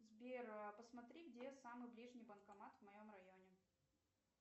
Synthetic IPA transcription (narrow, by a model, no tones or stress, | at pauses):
zbʲerpəsmɐt̪ɾʲiɡdʲesamɨjblʲiʐnʲɪjbənkɐmat̪vmɐjo̞mrɐjo̞nʲɪ